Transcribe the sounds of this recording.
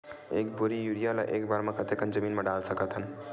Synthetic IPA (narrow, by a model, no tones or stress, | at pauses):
ekbuɾijuɽijala̰ʔekbaɾmãkət̪ekənd͡ʒəmiːnmeɖalsəkət̪ʰən